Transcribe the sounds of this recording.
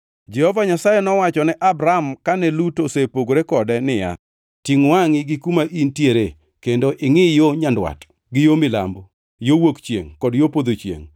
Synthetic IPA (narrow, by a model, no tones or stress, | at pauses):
d͡ʒɛhovaɲasajɛnɔwat͡ʃɔnɛʔabɾamkanɛlutosepoɡoɾekɔdɛnɪja̰ | tiŋwaŋɪɡɪkumaʔintjeɾe | kendoʔɪŋɪjoɲandwa̰t | ɡɪjomɪla̰mbo | jowokt͡ʃjḛŋkɔdjopod̪ot͡ʃjḛŋ